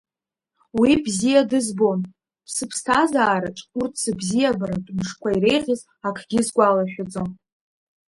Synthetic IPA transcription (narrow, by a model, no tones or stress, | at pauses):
wibzijadɨzbo̞n | pʰsɨpʰstʰazaːɾaʈ͡ʂʼurtʰsɨbzijabaɾatʼmʂkʷaiɾe̞jʁʲɪz | akʰɡ̥ʲɪzɡʷalaʃᶣad͡zon